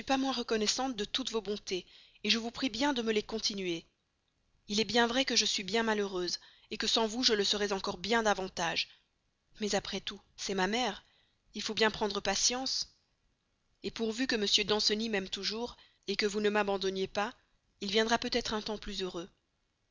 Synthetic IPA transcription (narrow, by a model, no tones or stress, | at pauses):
ipamwɛ̃ʁəkɔnɛsɑ̃t̪̚d̪ət̪ut̪vobɔ̃t̪e | eʒəvupχibjɛ̃d̪əməlekɔ̃t̪ʰinɥe | ilɛbjɛ̃vʁɛkəʒəsɥibjɛ̃maløʁøz | ekəsɑ̃vuʒələsəʁɛzɑ̃kɔʁbjɛ̃d̪avɑ̃t̪aʒ | mɛzapχɛt̪u | sɛmamɛʁ | ilfobjɛ̃pχɑ̃d̪ʁəpasjɑ̃s | epuʁvykəməsjød̪ɑ̃sənimɛmt̪uʒuʁ | ekəvunəmabɑ̃d̪ɔnjepa | ilvjɛ̃d̪ʁapøt̪ɛt̪χɛ̃t̪ɑ̃plyzøʁø